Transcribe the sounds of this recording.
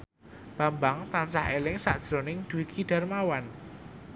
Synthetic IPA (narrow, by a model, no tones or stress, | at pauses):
b̥a̤mbaŋt̪ansaɦelɪŋsa̰ʔd̥ʒ̥ɾo̤nɪŋd̪̥uwikʰiɖ̥a̤rmawan